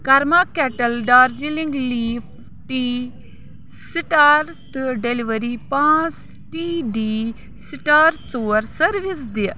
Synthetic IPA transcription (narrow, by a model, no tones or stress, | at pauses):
kɐɾmaːkɛːʈəlɖaːɾd͡ʒilɪŋɡliːpʰ | ʈiː | siʈaːɾt̪ɖeliʋəɾiːpãːt͡ʃ | ʈiːɖiː | siʈaːɾsoːəɾsəɾʋisd̪i